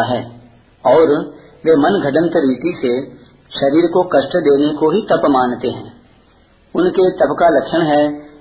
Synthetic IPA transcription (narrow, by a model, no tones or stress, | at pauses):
ɦɛː | ɔːɾ | ʋeːmɐnɡʱəʈə̃nt̪ɾiːt̪ise | ʃɐɾiːɾkokɐʃʈd̪eːnekoɦit̪ɐpmaːnt̪eɦɛ̃ː | ʊnket̪ɐpkalɐkʃəɽ̃ɦɛː